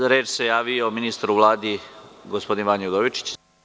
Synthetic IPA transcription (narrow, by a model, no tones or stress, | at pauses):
ɾeːt͡ʃse̞jaːʋioːminist̪ɾuʋlˠaːd̪iɡospo̞d̪inʋaɲod̪oʋit͡ʃi̥t͡ɕ